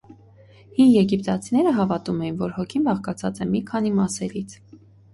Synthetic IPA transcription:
hinjɛɡipt̪ɑt͡sʰinɛɾəɦɑvɑt̪umɛjinvɔɾhɔkʰinbɑχkɑt͡sʰɑt͡sɛmikʰɑn̪imɑsɛɾit͡sʰ

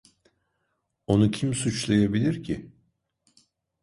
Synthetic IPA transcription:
o̞nucʰimsut͡ʃlˠajabilʲiɾcʰɪ

